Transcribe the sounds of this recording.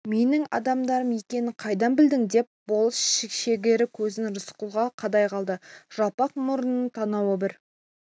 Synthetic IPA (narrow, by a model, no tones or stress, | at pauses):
me̞nɪŋɑ̰d̪ɑmd̪ɑɾəmje̞kʲe̞nɪqʰɑjd̪ɑnbɪld̪ɪŋd̪e̞p̚bo̞lˠəsʃɪkʃe̞ɡʲe̞ɾɪkʲʰɵzɪnɾʊsqulˠʁɑqʰɑd̪ɑjqʰɑlˠd̪əʒ̥ɑpɑqmʊɾənənt̪ʰɑnɑwəbɪɾ